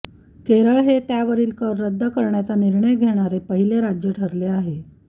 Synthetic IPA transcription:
keɾəɭɦet̪jaʋəɾiːlkəɾːəd̪ʱːəkəɾɳjat͡saniɾɳəjɡʱeɽ̃aɾepəɦileɾad͡ʑjəʈʰəɾleaɦe

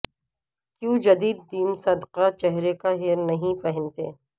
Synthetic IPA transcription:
kjũːd͡ʒɐd̪iːd̪ːiːmsɐd̪qat͡ʃɛɦɾekaɦeːɾnɐɦĩpɐɦɪ̃nt̪ḛː

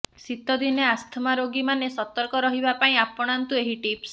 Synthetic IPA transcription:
sit̪ɔd̪ineast̪ʰmaɾoɡimanesɔt̪ɔɾkɔɾɔɦibapaĩapɔɽ̃ant̪ueɦiʈips

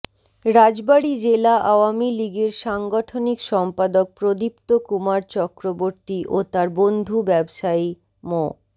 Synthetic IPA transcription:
ɾad͡ʑbaɽid͡ʑelaʔawamiliɡeɾʃaŋɡɔʈʰonikʃɔmpad̪ok̚pɾod̪ip̚t̪okumaɾt͡ɕɔkɾoboɾt̪iʔot̪aɾbond̪ʱubɛbʃai | mɔ

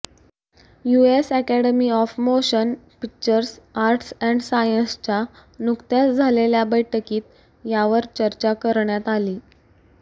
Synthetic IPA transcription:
juesækæɽəmiːɔfmoɕənpik̚t͡ɕəɾsaɾʈsɛ̃ɳɖsajənst͡ɕanukt̪jasd͡zʱaleljabəjʈʰəkiːt̪̚ | jaʋəɾt͡ɕəɾt͡ɕakəɾɳjat̪aliː

